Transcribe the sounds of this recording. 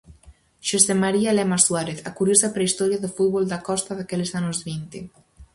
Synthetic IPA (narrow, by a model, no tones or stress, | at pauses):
ʃosemaɾialɛmaswaɾeθakuɾjozapɾeist̪ɔɾjaðəfud̪̚βɔlˠd̪akɔst̪aðakɛlezanuzβint̪i